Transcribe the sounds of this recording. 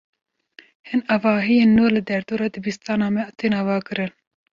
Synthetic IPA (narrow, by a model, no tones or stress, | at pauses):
hɨnɑvɑːɦijeːnːuːlɨd̪ɛɾd̪oːɾɑːd̪ɨbist̪ɑːnɑːmɛt̪ʰeːnɑːvɑːkɨɾɨn